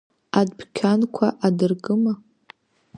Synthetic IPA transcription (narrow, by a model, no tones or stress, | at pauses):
adbʰkʲʰankʷʰaʔadɨrɡɨma